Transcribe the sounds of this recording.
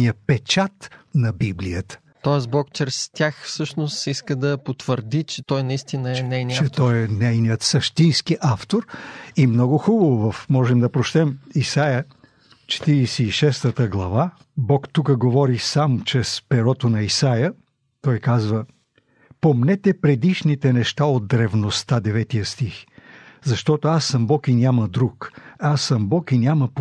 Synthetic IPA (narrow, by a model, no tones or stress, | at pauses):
ijəpɛt͡ʃat̪nɐbiblijət̪ə̥ | t̪ɔɛsbɔkt͡ʃɛɾɛst̪ʲjaxfsɤʃnʊsiskəd̪ɐpot̪vəɾd̪it͡ʃɛt̪ɔjnɐist̪inəɛnɛjnit͡ʃɛt̪ɔjɛnɛjnijət̪sɐʃt̪inskiʔaft̪oɾimnɔɡʊxubəvovɐfmɔʒɛmd̪ɐpɾot͡ʃt̪ɛmisajə | t͡ʃɛ̥t̪iɾisiːʃɛst̪ət̪əɡlˠɐva | bɔkt̪ukəɡovɔɾisamt͡ʃɾɛspɛɾɔt̪onɐisajə | t̪ɔjkazvə | pomnɛt̪ɛpɾɛd̪iʃnit̪ɛnɛʃt̪aod̪̚ːɾɛvnost̪ad̪ɛvɛt̪ijəst̪ixzɐʃt̪ɔt̪oasːɐmbɔkinʲaməd̪ɾukasːɐmbɔkinʲjaməp